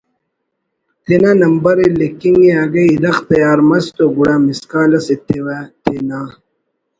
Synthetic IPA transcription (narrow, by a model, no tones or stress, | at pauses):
t̪enanɐmbɐɾelekiŋiaːɡɐiɾɐxt̪ɐjaːɾmɐst̪oɡuɽaːmiskaːlɐset̪ewat̪enaː